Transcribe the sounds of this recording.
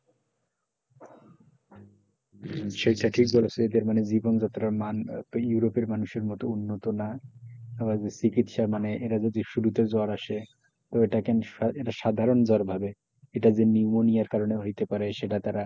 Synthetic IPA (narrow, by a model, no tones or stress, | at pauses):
ʃejʈaʈʰik̚bolosʰeed̪eɾmaned͡ʑibond͡ʑat̪oɾamanjuɾopeɾmanuʃeɾmɔt̪ounːot̪onaabad͡ʑesikit̪ʃamaneʔeɾad͡ʑed͡ʑeʃuɾut̪ed͡ʑɔaɾaʃe | t̪oeʈakɛneʈaʃad̪ʱaɾond͡ʑɔɾbʱabe | eʈad͡ʑenimonijaɾkaɾoneɦojt̪epaɾeʃeʈat̪aɾa